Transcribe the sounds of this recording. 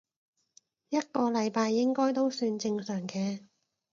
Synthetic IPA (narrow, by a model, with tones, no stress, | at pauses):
jɐ˥t̚kɔː˧lɐ˨˧jpaː˧jːɪ˥ŋkɔː˥jt̪o˥wsyː˧nt͡sɪ˧ŋsœː˨˩ŋkɛː˧